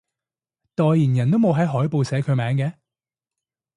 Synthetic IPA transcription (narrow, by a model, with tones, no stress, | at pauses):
t̪ɔː˨˧jjiː˨˩njɐ˨˩nt̪o˥wmo˨˧wɦɐ˨˥jɦɔː˨˥jpo˨˧wsɛː˨˧˥kʰɵ˨˧ɥmɛː˨˥ŋkɛː˨˧